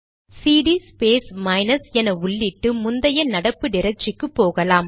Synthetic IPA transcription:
siːɽispeːsmɐɪnɐsɛnɐʊɭːɪʈːɯmʊnd̪ɐjɐnɐɽɐpːɯnɪɾɐt͡ʃːɪkːɯpːoːɣɐlaːm

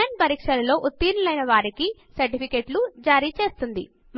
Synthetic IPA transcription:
aɳ̚pɐɾiːkʂɐlɐlo̞ːʔut̪ːiːɾulɐjnɐʋaːɾiki | sɐɾʈipʰikeːʈlud͡ʒaːɾiːt͡ʃe̞ːst̪und̪ḭ | m

